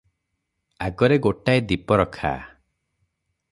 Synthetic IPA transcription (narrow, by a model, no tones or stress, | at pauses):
aɡɔɾeɡoʈajd̪ipɔɾɔkʰa̰